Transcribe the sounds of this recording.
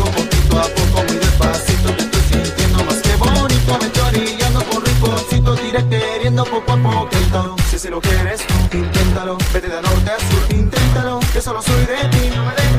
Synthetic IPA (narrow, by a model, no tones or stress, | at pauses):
obokit̪oapokomiðespasit̪oket̪osint̪jend̪omaskeβonit̪oament̪eaɾɾiʎand̪okonrikosit̪̬od̪iɾek̚t̪eɾjend̪opopaɾpot̪ẽnt̪alosesilokeɾesint̪ent̪alobet̪eðanowt̪asuɾint̪ent̪aloesolosojðeminõmeðe